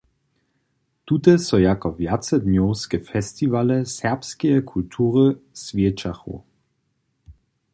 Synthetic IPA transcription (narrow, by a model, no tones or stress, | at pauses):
t̪ut̪ɛsɔjakɔvjat͡sɛdnɔwskɛfɛst̪ivalɛsɛʁpskɛjɛkʰult̪ʰuːʁəsvʲjɛt͡ʃaxṵ